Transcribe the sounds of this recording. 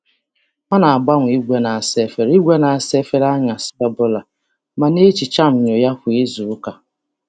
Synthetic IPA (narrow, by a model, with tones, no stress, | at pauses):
ŋa˦na˨a˨ɡ͡ba˦ŋʷ˨i˦ɡʷe˦na˨a˨se˦fe˦ɾi˦ɡʷe˦na˨a˨se˦fe˦ɾa˦ɲa˨si̥˦ta˦bo˦la˨ | ma˨ne˦t͡ʃi˨t͡ʃa˦m̩˨ɲo˨ja˦kʊ˨e˦zu˨ʊ˦ka˨